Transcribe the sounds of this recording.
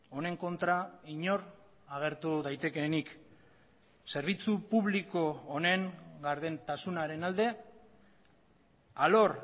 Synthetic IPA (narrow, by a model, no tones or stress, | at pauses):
o̞ne̞ŋko̞nt̪ɾaiɲo̞ɾ | aɣ̞e̞ɾt̪uðajt̪e̞ke̞nik | se̞ɾβ̞it͡supuβliko̞ːne̞ŋɡaɾðe̞nt̪asunaɾe̞nald̪e̞ | alo̞ɾ